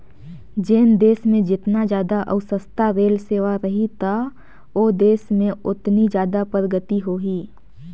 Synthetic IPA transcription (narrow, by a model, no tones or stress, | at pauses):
d͡ʒeːnd̪eːsmẽd͡ʒɪt̪nad͡ʒjaːd̪aʔɐ̰ʊsəst̪aɾeːlseːʋaɾɐɦit̪ʰa | oːd̪eːsmẽʊt̪nid͡ʒjaːd̪apɾəɡət̪iɦoːɦiː